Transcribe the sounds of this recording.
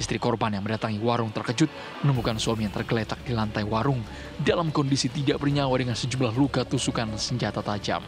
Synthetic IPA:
ist̪ɾikɔrbanjaŋməndat̪aŋiwaɾʊŋt̪ərkəd͡ʒʊt̪̚ | mənəmukanswamijaŋt̪ərɡəlet̪ak̚d̥ilant̪ajwaɾʊŋ | dalamkɔndisit̪idaʔbərɲawadəŋansəd͡ʒumlahluɡat̪usukansəɲd͡ʒat̪at̪ad͡ʒa̰m

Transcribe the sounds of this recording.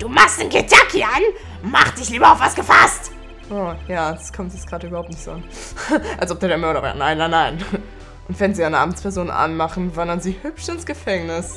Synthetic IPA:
d̥uːmaχstnkʰɪtʰakʰian | maχt̚d̥ɪçliːbɐaʊftvasɡ̥əfast | ʔoːjḁːskʰɔmtjɛt͡sɡ̥ʁaːɾəʔybɐhaʊptnɪçtz̥oʔan | ʔalsʔɔp̚d̥eɐdeɐmœɐɾɐvɛ̰ɐnaɪnːaɪnaɪn | ʔʊntv̥ɛnziːaɪnəʔa̰ːmt͡spʰɛɐzoːnʔa̰nmaχn̩vandɐnziːhʏpʃɪnsɡ̥əfɛŋnɪs

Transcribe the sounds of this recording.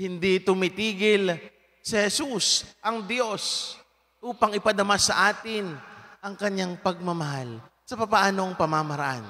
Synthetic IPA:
hɪnd̪it̪ʊmɪt̪iːɡɪl | sɪhɛsusʔɐŋd̪jo̞s | ʔuːpɐŋɪpɐd̪ɐmasɐʔaːt̪ɪnɐŋkɐɲaŋpɐɡ̚mɐmɐɦal | sɐpɐpaʔaːno̞ŋpɐmamɐɾɐʔa̰n

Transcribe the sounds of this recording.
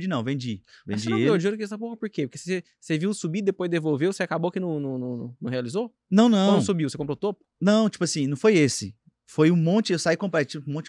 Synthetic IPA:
d͡ʒɪnɐ̃w̃vẽd͡ʒivḛ̃ãd͡ʒiiod͡ʒioɾkɛs̬ɐpoɦɐpoɾkepoɾke̥sse | seviwsubid̪epojzd̪evowvewseakabowakinɐ̃nũnũñnɐ̃healizo | nɐ̃w̃nɐ̃ñsubiwsekõpɾoʊt̪opʊ̥nɐ̃w̃t͡ʃi̥pʊasĩnɐ̃w̃fojesɪ̰ | fojũmõnt͡ʃɪewsaikõpɾat͡ʃĩmõt͡ʃɪ

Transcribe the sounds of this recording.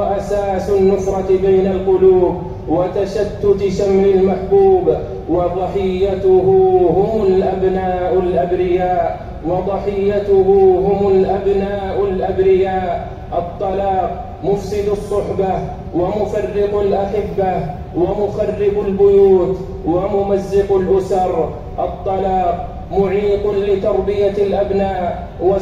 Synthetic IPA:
wʔasaːsʊnːʊfɾˤɑt̪bajnalqʊluːb | wat̪aʃat̪ːʊt̪ʃamʕɪlmaħbuːb | wɑðˤɑħɪjːat̪ʊhʊɦʊmʊlʔabnaːʔʊlʔabɾɪjaːʔ | wɑðˤɑħɪjːat̪ʊɦʊɦʊmʊlʔabnaːʔʊlʔabɾɪjaːʔ | ʔɑt̪ˤːɑlɑːq̚ | mʊfsɪd̪ɑsˤːʊħba | wamʊfɑrːɪqalʔaħɪbːa | wamʊxɑrːɪbalbʊjuːt̪ | wamʊmazːɪqalʔʊsɑɾˤ | ʔɑt̪ˤːɑlɑːq̚ | mʊʕiːq̪lɪt̪ɑɾˤbɪjalʔabnaːʔ | wa

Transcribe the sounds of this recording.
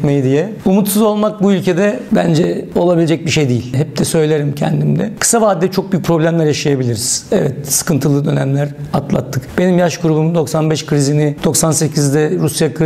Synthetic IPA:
mejid̪ijɛumut̪suzo̞lˠmak̚buylʲcʰe̞d̪ɛbænd͡ʒɛo̞lˠabilʲed͡ʒɛc̚biʃe̞jd̪ijilʲhɛp̚d̪̥ɛsø̞jlʲeɾimcʰɛ̰nd̪imd̪ɛ̰kʰɯ̥savaːd̪ːɛt͡ʃʰo̞k̚byjyc̚ʲpʰɾo̞blʲæmlʲæɾjaʃajabilʲiɾiz̥ɛvɛt̪sɯ̥kʰɯnt̪ʰɯlˠɯd̪ø̞næmlʲæɾat̪lˠa̰t̪ʰːɯkb̥e̞nimjaʃɡuɾubumd̪o̞ksanbɛʃkɯɾizinid̪̥o̞ksanse̞cʰizd̪ɛɾusjakʰ

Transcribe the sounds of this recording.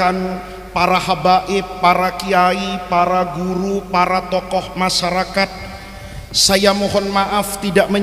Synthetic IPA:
an | paɾahabaʔɪpːaɾakiaipaɾaɡuɾupaɾat̪ɔkɔhmaʃaɾakat̪̚ | sajamɔɦɔnmaʔaft̪idaʔmə

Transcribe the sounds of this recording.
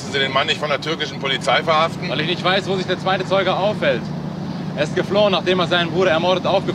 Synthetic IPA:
sn̩ziːdeːnmanːɪçtfɔndeɐtʰʏɐkɪʃn̩pʰolit͡saɪfɛɐhaftn̩vaɪlɪçnɪçtv̥aɪsv̥oːzɪçd̥eːɐt͡sv̥aɪtət͡sɔʏɡəʔaʊfhɛlt | ʔʔeːɐɪst̚ɡ̥əfloːənːaːχd̥eːmeɐzaɪnənvuːɐɾɐɛɐmɔɐɾətʔaʊfɡ̥ə

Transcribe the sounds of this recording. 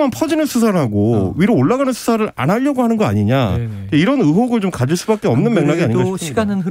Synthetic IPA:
manpʰʌd͡ʑinɯnsʰus̬ʰaɾɭɦaɡoɥiɾoːɭːaɡanɯnsʰu̥sʰaɾɯɾa̰naʎːʌɡoɦanɯnɡʌa̰ɲiɲa̰ieiɾʌnɯɦoɡɯɭt͡ɕomkad͡ʑiɭs͈ubak͈e̞ʌmnɯnme̞ŋnaɡiaɲiɡaan

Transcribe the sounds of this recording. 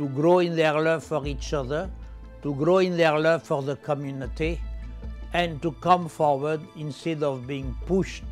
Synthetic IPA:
tuɡɹoĩnðɛɹlʌvfɔɹit͡ʃʌðə˞ | tuɡɹoĩnðɛɹlʌvfɔɹðəkʰɔmjunit̪i | ɛ̃ntukʌ̃mfɔɹwə˞dĩnstɛdɔvbiĩŋpuʃt

